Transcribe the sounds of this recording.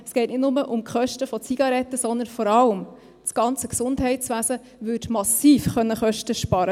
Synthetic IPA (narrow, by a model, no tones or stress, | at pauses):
ɛsɡ̥ɛɪtnɪdnʊməʔʊmkχœʃtəfɔt͡siɡ̥ɑɾɛtːəsɔnd̪ənfɔɾɑlm | t͡sɡ̥ɑnt͡səksʊndɦɛɪtt͡sʋæːsə | ʋʏtmɑsiːfχœnːəχœʃtəʃpɑɾə